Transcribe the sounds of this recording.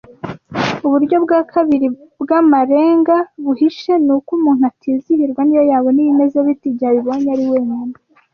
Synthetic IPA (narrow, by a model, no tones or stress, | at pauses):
uβuɾɟo̞bɡakʰaβiɾibɡamaɾe̞ːŋɡaβuhiʃe̞nukumuːn̥uatʰiːzihiɾɡwanijojaːβo̞nijimezeβitiɟaβiβo̞ɲaɾiweːɲoma